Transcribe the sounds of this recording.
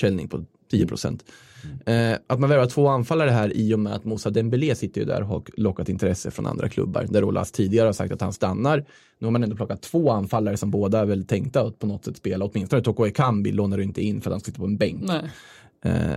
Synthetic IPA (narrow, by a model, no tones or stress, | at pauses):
ɛlnɪ̰ŋpʰɔ | t̪ʰiːəpʰɾʊsɛ̰nt̪ | ʔat̪manvɛɾvat̪ʰːv̥oːanfalːaɾəɦæːɾɪːjʊmɛa̰t̪mʊsad̪ɛmbɪleːsɪt̪ːəɾjɵ̰d̪æ̰ɾɔklɔkːat̪ɪnt̪ʰɾɛsːəfɾɔna̰nd̪ɾa̰kʰlɵ̰bːa̰ɾd̪æɾṵːla̰st̪ʰiːd̪ɪɡaɾəhaʂsa̰k̚t̪at̪hanst̪anːaɾ | nʉːhaɾmanɛnd̪ɔplɔkːat̪ʰːv̥oːanfalːaɾəsɔmboːd̪avɛlt̪ʰɛŋkt̪aat̪̚pʰɔnɔt̪ːsɛt̪speːlaɔt̪mɪnst̪ɔnət̪ʰokɔɛkʰambɪ̰loːnaɖɵɪnt̪əɪnːfœɾat̪hansksɪt̪ːapɔɛnbɛŋk